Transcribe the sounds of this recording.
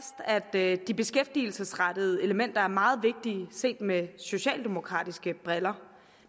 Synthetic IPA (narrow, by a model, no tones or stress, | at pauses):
sd̥æd̥d̥ib̥e̝sɡ̥efd̥il̩səsʁɑd̥əð̞̩ˠe̝ləmen̰d̥ɐæɐmɑ̈ːð̞̩ˠʋe̝ɡ̥̚d̥iːse̝̰ːd̥meso̝ɕɛ̰ːld̥e̝mo̝kʰʁɑ̰̈ːd̥isɡ̥əb̥ʁɛlɐ